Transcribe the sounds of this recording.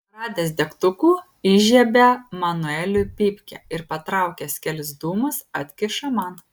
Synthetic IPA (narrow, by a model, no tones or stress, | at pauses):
ɾɑːd̪ʲɛːsd̪ʲɛkt̪ʊkuː | iʒʲɛbʲɛmɐnʊɛlʲʊpʲɪpʲkʲɛ̰ɪɾpɐt̪ɾɑˑʊkʲɛsʲkʲɛlʲsd̪uːmɐsɐt̪ʲkʲɪʃɐmɑn